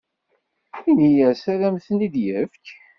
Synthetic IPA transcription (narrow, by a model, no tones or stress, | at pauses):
inijæsæðæmθənid̪jəfk